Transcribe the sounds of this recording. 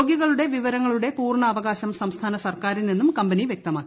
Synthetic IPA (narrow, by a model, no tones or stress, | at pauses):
ɡjiɣɐɭuɽe̞ʋiʋɐɾɐŋːɐɭuɽe̞puːrɳɐːʋɐɣaːɕɐmssɐmst̪ʰaːnɐsɐrkaːɾinninːumkɐmbɐniʋjek̚t̪ɐmaːkːii